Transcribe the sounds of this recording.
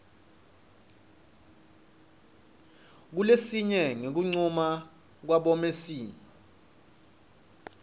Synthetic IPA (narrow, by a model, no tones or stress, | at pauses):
k̬ulesiɲɛŋek̬uŋ͡ǀuma | k̬waɓɔmesiːɲɔ